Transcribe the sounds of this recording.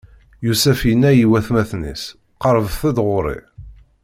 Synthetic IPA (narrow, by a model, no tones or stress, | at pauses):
jusæfjinːæjiwæθmæθnḭs | qəɾˤvθæd̪ʁʊɾˤḭ